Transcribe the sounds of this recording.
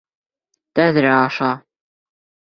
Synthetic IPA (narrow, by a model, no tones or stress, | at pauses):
t̪æðɾæɑʃɑ